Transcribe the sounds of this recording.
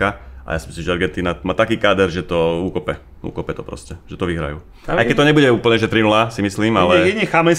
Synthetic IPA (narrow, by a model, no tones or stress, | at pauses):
aʔa̰jaːsimislimʒɛɛɾɡɛnt̪iːnamaːt̪akiːkaːd̪ɛɾʒɛt̪ɔuːkɔpɛ | ṵːkɔpɛt̪ɔpɾɔ̰scɛʒ̥ɛt̪ɔʋiɦɾa̰jṵː | a̰jkɛc̚t̪ɔɲɛbuɟɛuːpl̩ɲɛʒɛt̪ɾinulasimisliːmalɛiɲɛxamɛn